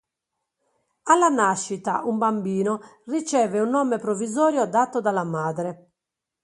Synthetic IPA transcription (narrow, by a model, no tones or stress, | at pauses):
alːanaʃːit̪a̰umbambiːnorit͡ʃɛːveunːɔmepɾovːizɔːɾjod̪at̪ːod̪alamaːd̪ɾɛ